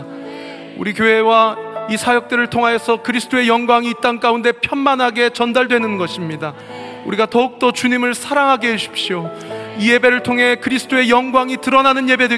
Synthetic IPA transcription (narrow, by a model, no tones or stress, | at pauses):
uɾikjoɦe̞waisʰajʌk̚t͈ɯɾɯɭtʰoŋɦajesʰʌkɯɾisʰɯ̥t͈oe̞jʌŋɡwaŋiːt̚t͈ank͈aunde̞pʰjʌnmanɦaɡe̞t͡ɕʌndaɭdwe̞nɯnɡʌɕʰimɲida | uɾiɡatʌuk̚t͈ʌt͡ɕuɲimɯɭsʰaɾaŋɦaɡeɦeɕʰi̥p̚ɕ͈io | ije̞be̞ɾɯɭtʰoŋɦe̞kɯɾisʰɯ̥t͈oejʌŋɡwaŋitɯɾʌnanɯnje̞be̞dɯ